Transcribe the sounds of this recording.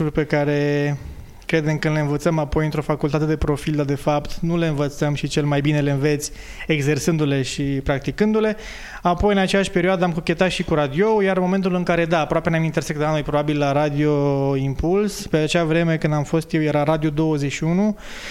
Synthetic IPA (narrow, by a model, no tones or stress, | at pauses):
urʲpe̞kaɾe̞ | kɾe̞d̪e̞mkɨnle̞ɨnvət̪səmapo̞jɨnt̪ɾo̞fakult̪at̪e̞d̪e̞pɾo̞fild̪ad̪e̞fapt̪nule̞ɨnvət̪səmʃit͡ʃe̞lmajbine̞le̞ɨnve̞t̪sʲ | eɡze̞rsɨnd̪ule̞ʃipɾak̚t̪ikɨnd̪ule̞ | apo̞jɨnat͡ʃejaʃʲpe̞ɾioad̪eamkukʲe̞t̪at̪ʃikuɾad̪io̞wjarmo̞me̞nt̪ulɨŋkaɾe̞d̪aːpɾoape̞neamint̪ersek̚d̪anojʲpɾo̞babilːaɾad̪io̞impulspeat͡ʃeavɾe̞me̞kɨnd̪amfo̞st̪jewjeɾaɾad̪iod̪o̞wəzeʃiunu